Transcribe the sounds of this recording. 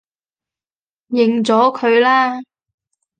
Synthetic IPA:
jɪ˨ŋt͡sɔː˨˥kʰɵ˨˧ɥlaː˥

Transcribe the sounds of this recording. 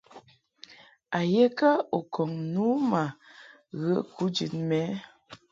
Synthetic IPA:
a˨je˦kə˦o˨kʰɔ˨ŋnu˨˦ma˨ | ɣə˦ku˨˦d͡ʒḭ˨tmɛ˨˦

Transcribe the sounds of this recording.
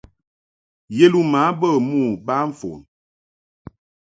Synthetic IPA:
je˦lu˦ma˨˦bə˦˨mu˦˨ba˦ɱ̩˦˨fo̰˨n

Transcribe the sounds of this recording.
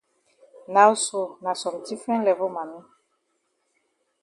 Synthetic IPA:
na˨u˦so˨nã˨sɔ˨m˨ti˦fɛ̃˦lɛ˨vo˦ma˨nĩ˦

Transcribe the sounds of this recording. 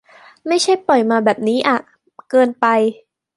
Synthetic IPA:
ma˥˩jt͡ɕʰa˥˩jpɔ˨˩jmaː˧bɛː˨˩p̚niː˦˥ʔa˨˩ | kɤː˧npa˧j

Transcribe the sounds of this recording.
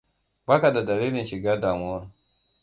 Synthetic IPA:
baː˦ka˨da˨da˨liː˦lɪ˨nʃɪ˨ɡaː˦daː˨mʊ˦wa˦

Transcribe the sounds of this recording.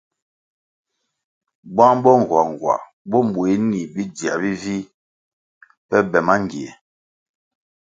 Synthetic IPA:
bwã˦m˦bɔ˦ŋ̩˨ɡwa˨ŋ˨ɡwa̰˨ | bɔ˦m˨bwe˦ni˨bi˦di˨a̰˨bi˦vi˦ | pɛ˦bɛ˨ma˦ŋ˨ɡi˨ɛ˨

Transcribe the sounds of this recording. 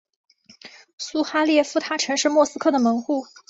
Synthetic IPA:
su˥xa˥ljɛ˥˩fu˥˩t̪ʰa˥˩ʈ͡ʂʰɤ˧˥ŋʂɻ̩˥˧mwɔ˥˩sɹ̩˥kʰɤ˥˩d̪ə˩mɤ˧˥ŋxu˥˩

